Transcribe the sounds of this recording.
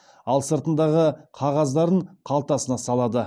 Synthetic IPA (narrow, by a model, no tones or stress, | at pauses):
ɑlˠsəɾt̪ənd̪ɑʁəqʰɑʁɑzd̪ɑɾəɴqʰɑlˠt̪ɑsənɑsɑlˠɑd̪ə